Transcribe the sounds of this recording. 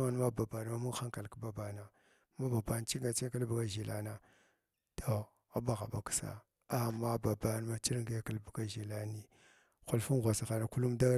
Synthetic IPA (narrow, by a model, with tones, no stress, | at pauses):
a˦n˦ma˦ba˨ba˨n˨ma˦mu˦xa˦ŋka˨lkba˨ba˨na˨ | ma˦ba˨ba˨˦n˦t͡ʃi˦ɡa˨t͡ʃi˦ka˦lbu˨ɡa˦ʒi˨la̰˦na˨ | tʰo˨ | a˦ba˦ɣa˨ba˨ki̥˦sa̰˨ | a˨ma˦ba˨ba˦n˦ma˦t͡ʃi˦ɾŋɡe˦ka˦lbu˨ɡa˦ʒi˨la˦ni˨ | xu˨lfu˦n˦ɣʷa˨sa˨ɣa˨na˨ku˦lu˦mda˦